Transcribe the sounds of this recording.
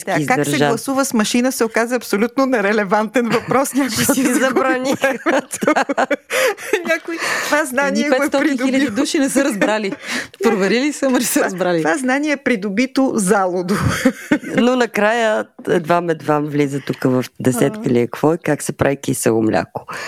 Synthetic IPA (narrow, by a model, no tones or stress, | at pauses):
t̪izkad̪ɐsɾɛʒalˠɐsuvəsmɐʃinəsɛokazɐɐpsolʲut̪nonɐɾɛlɛvant̪ɛnvɐpɾɔsnʲakʊisizɐbɾnixɛmt̪o | nʲakʊitvaznaniɛɛot̪ɔpɾid̪ʊilʲɐd̪iduʃinɛsəɾɐzbɾalipɾovɛɾilisəmnɛsəazbɾaliovaznaniɛːpɾid̪obit̪ozalˠod̪o | nonɐkɾajəɛ̰d̪vamɛd̪vamvlizət̪ukəvɐfd̪ɛsɛt̪kəiliɐkv̥ɔikaksɛpɾaikisəlˠo̰mlʲa̰ko̥